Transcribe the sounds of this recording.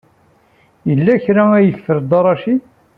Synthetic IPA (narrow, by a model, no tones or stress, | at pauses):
jəlːæçɾææjəθθəɾd̪ɑɾˤɑʃi